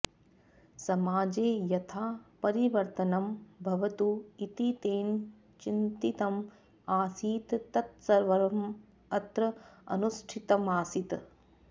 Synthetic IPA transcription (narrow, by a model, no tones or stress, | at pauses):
sɐmaːd͡ʒeːjɐt̪ʰaːpɐɾiʋɐɾt̪ɐnɐmbʱɐʋɐt̪uit̪it̪eːn | t͡ʃint̪it̪ɐm | aːsiːt̪ːɐt̪sɐɾʋɐɾɐm | ɐt̪ɾɐɐ̰nusʈʰit̪ɐmaːsit̪